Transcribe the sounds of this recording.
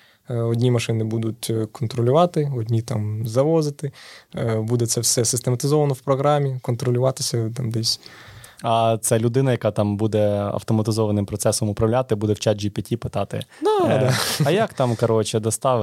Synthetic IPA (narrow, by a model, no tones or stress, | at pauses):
ɔdʲnʲimɐʃɪnɪbud̪ʊtʲkɔnt̪ɾɔlʲʊʋɑt̪ɪɔdʲnʲit̪ɑmzɐʋɔzɪt̪ɪ | bud̪ɛt̪sɛwsɛsɪst̪emɐt̪ɪzɔʋɐnɔwpɾɔɦɾɑmʲikɔnt̪ɾɔlʲʊʋɑt̪ɪsʲɐt̪ɑmd̪ɛsʲ | ɐt̪sɛlʲʊd̪ɪnɐjɐkɑt̪ɑmbud̪ɛɐ̰wt̪ɔmɐt̪ɪzɔʋɐnɪmpɾɔt̪sɛsɔmʊpɾɐwlʲat̪ɪbud̪ɛwt͡ʃad͡ʒipʲɐtʲipɪt̪ɑt̪ɪ̰d̪aɐjakt̪ɑmkɐɾɔt͡ʃɛd̪ɐst̪ɑʋ